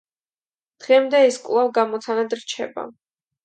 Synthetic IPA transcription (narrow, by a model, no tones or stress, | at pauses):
d̪̥ʁɛmd̪ɛɛskʼvlˠavɡamɔt̪sʰanad̪ɾt͡ʃʰɛ̰ba̰